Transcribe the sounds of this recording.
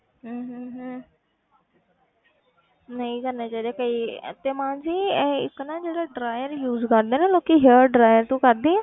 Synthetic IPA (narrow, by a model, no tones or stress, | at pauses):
ɦəːɦɦ | nəĩːkəɾnẽːd͡ʒeːɽeːkəiːt̪eːmãːnziːɪkːnaːd͡ʒeːɾaːɖɾaːjəɾjuːzkəɾd̪eːnẽːloːkiːɦeɖɾaːjəɾt̪ũːkəɾd̪eːɛ̃ː